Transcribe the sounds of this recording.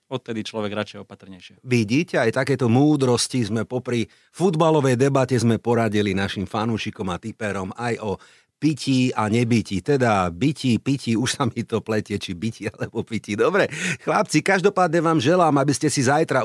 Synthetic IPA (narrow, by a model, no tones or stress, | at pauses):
ɔt̪̚t̪ːɛd̪it͡ʃlɔʋɛɡɾat͡ʃɛjɛɔpat̪r̩ɲɛjʃɪɛʋiɟiːcɛajt̪akɛːt̪ɔmuːd̪ɾɔscizmɛpɔpɾi | fud̪balɔʋɛjd̪ɛbacɛzmɛpɔɾaɟilinaʃimfanuːʃikɔmat̪ipɛɾɔmajɔ | piciaɲɛbicit̪ɛd̪abicipiciuʃsamit̪ɔplɛcɪɛt͡ʃibicialɛbɔpicid̪ɔbɾɛxlap̚t͡sikaʒd̪ɔpaːd̪ɲɛʋaːmʒɛlaːmabiscɛsizajt̪ɾa